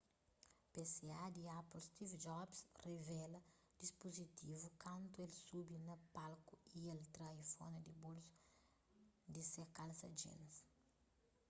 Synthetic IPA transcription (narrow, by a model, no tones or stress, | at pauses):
pesead̪iaplst̪ivd͡ʒɔbsrevɛlɐ | d̪̥ispozit̪ivukɐ̃nt̪uelsubinɐpalkuielt̪ɾajfɔnɐd̪ibolsu̥ | d̪isekalsɐd͡ʒḭnɐs